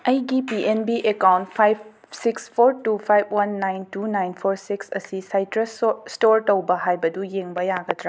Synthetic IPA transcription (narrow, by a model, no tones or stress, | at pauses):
ɐjɡipiʔenbiʔekawntpʰajb̚ | sikspʰoɾtupʰajb̚ʰʱwɐnːajntunajnpʰoɾsiksɐ̰sisajtɾɐstoɾtowbɐɦajbɐdujeŋbɐjaɡɐtɾa